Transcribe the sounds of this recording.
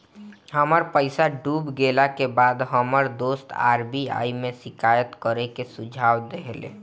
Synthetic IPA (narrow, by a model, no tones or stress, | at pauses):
ɦəməɾpəɪsaɖuːbɡeːlakebaːd̪ɦəməɾd̪oːst̪a̰ːɾbia̰ːimẽsɪkaːjət̪kəɾekesʊd͡ʒʱaːwd̪eɦlḛ